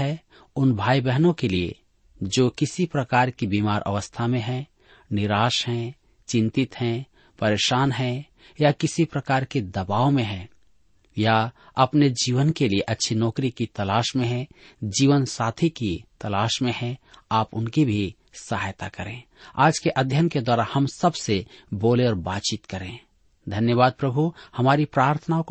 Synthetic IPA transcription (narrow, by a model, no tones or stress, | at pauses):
ɦɛ | ʊnbʱaːibɛɦnõkeliḛ | d͡ʒoːkɪsipɾəkaːɾkibiːmaːɾʔə̰ʋəst̪ʰamẽɦɛ̃ | nɪɾaːʃɦɛ̃ | t͡ʃɪ̃nt̪ɪt̪ɦɛ̃ | pəɾeːʃaːnɦɛ̃ | jakɪsipɾəkaːɾked̪ɐbaːomẽɦɛ̃ | jaɐpned͡ʒiːʋənkelieʔɐtːʃʰinɔːkɾikit̪ɐlaːʃmẽɦɛ̃ | d͡ʒiːʋənsaːt̪ʰikit̪ɐlaːʃmẽhɛ̃aːpʊnkibʱi | səɦajt̪akəɾẽː | aːd͡ʒkeʔɐd̪ʱjənked̪waːɾahɐmsəbseboːleɔːɾbaːtt͡ʃɪt̪kəɾẽ | d̪ʱɐnjəʋaːd̪̚pɾəbʱuhɐmaːɾipɾaːɾt̪ʰənaõk